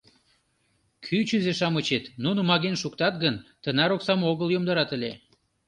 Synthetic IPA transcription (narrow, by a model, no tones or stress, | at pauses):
kʰyt͡ɕyzeʃɑmət͡ɕet̪nunomɑɣenʃukt̪ɑt̪̚ɡənt̪ənɑɾoksɑmoɣəljomd̪əɾɑt̪əlʲe